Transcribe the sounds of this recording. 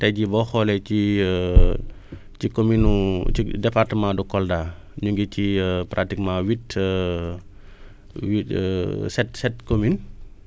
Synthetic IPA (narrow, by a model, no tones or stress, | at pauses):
tɐjɟibɔxɔlɛt͡ʃi | cikominuidɛpaɾtəmãdukɔldaː | ɲuŋɡicipɾʔatikmãwit | wisɛtsɛt̚komin